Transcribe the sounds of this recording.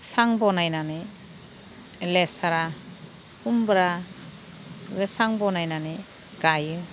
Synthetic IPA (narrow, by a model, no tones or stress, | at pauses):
saŋbɔnajnani | lesaɾa | humbɾa | ɡɯsaŋbɔnajnani | ɡajɯ